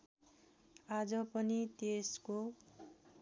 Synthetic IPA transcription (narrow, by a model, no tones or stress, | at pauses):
ad͡zʌpʌnit̪esko